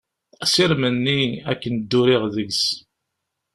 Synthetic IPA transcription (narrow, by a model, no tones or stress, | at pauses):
siɾmənːiækːənd̪ːʊɾɪʁðəɡs